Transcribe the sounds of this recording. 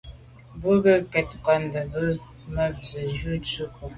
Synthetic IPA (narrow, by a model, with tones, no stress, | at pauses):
bə˦ɡə˦kɛ˨t̚ka˨˦ndə˨bə˦ | mə˦b̚zə˨d͡ʒu˦t͡su˦kʰu˨